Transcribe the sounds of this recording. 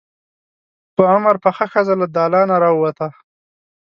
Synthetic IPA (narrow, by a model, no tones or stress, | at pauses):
pəamaɾpəxaxazalad̪ɑːlɑːnaɾɑwwat̪a